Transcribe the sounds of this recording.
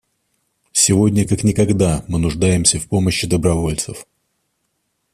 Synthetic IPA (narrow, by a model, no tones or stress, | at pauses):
sʲɪvo̞dʲnʲəkaknʲɪkɐɡd̪amɨnʊʐd̪ajɪmsʲəfpo̞məɕːɪd̪əbɾɐvo̞lʲt̪səf